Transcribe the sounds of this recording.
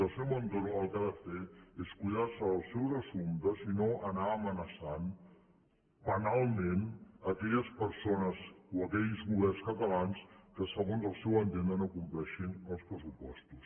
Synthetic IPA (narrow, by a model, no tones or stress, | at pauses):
əlˠsɛwənt̪oɾəlˠkaðəfeeskujðarsəːlˠsɛwzəsumt̪əzinoʔənaəmənəsan | pənalˠmenəkɛʎəspəɾsonəzoəkɛʎzɣuβ̞ɛrnskət̪əlanskəsəɣonzəlˠsɛwənt̪end̪ənokumplɛʃinəlˠspɾəsupɔst̪us